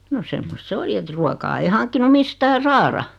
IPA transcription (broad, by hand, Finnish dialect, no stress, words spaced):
no semːost se oli et ruokɑː ei hɑŋkːinu mistæː sɑːrɑ